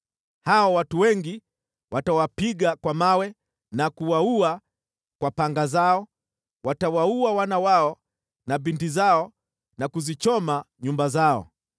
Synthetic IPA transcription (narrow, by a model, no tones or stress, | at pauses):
haɔwatuwɛŋɡi | watawapiɡakwamawɛ | nakuwaua | kwapaŋɡazaɔ | watawauawanawaɔ | naɓintizaɔ | nakuzit͡ʃɔmaɲumbazaɔ̰